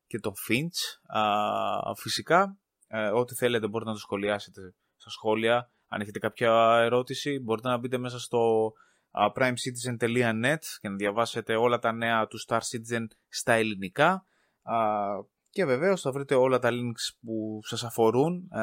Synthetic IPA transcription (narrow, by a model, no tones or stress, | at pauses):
ce̞t̪o̞fint͡s | fisikɐ | o̞t̪iθe̞le̞t̪ebo̞ɾit̪enɐt̪ɐsxo̞liɐse̞t̪e̞ | st̪ɐsxo̞liɐ | ɐ̰neçe̞t̪e̞kɐpçɐe̞ɾo̞t̪isibo̞ɾit̪e̞nɐbit̪e̞me̞s̬ɐst̪o̞ | pɾɐjmsit̪̬ize̞nt̪e̞liɐne̞t̪ce̞nɐðʝɐvɐse̞t̪e̞o̞lɐt̪ɐne̞ɐt̪ust̪ɐɾsit̪ize̞n | st̪ɐe̞linikɐ | ce̞ve̞ve̞o̞sθɐvɾit̪e̞o̞lɐt̪ɐliŋkspusɐsɐfo̞ɾun